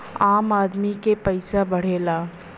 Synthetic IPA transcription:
aːmaːd̪mikepɐɪsabɐɽ̤eːlaː

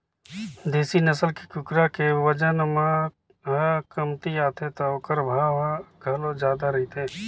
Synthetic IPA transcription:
d̪eːsinəsəlkikʊkɾakeʋəd͡ʒənmã | ɦəkəmt̪iaːt̪ẽt̪oːkəɾbʱaːɡʱɐlod͡ʒjaːd̪aɾɐit̪eː

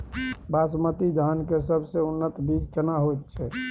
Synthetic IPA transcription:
basmət̪id͡ʒ̪ʱankesəbʱseunːət̪bid͡ʒt͡ʃənaɦot̪t͡ʃʰɛ

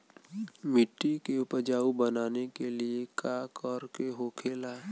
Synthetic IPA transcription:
mɪʈːikeʊpəd͡ʒaːubənaːnekeliekaːkɔːɾkeɦoːkʰeːlaː

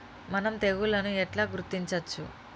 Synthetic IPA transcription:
mɐnɐmt̪e̞ɣulɐnuɛʈlaːɡuɾut̪ːiɲt͡ʃɐt͡ʃːṵ

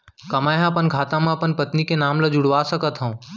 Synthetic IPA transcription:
kəmaːjɦãəpənkʰaːt̪ãmãɐpənpət̪nikenaːmləd͡ʒʊɽ̤ʋasəkət̪ɦə̃ũ

